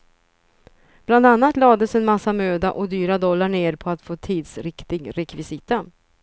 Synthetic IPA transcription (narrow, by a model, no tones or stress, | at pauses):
b̥land̪anːat̪lɑːd̪əsɛnmasːamøːd̪aʔɔd̪yːɾad̪ɔlːaɳeːɾpʰɔat̪foːt̪ʰiːd̪sɾɪkt̪ɪɡɾɛkvɪsiːt̪a